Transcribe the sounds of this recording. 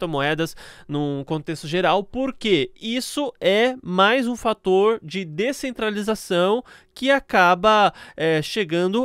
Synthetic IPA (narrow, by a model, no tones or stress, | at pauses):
t̪õmoɛd̪ɐsnʊ̃kõnt̪est̪ʊʒeɾawpoɾkeisʊɛmajzũfat̪oɾd͡ʒɪd̪esẽnt̪ɾalizasɐ̃w̃ | kɪakabɐɛʃeɡɐ̃nd̪ʊ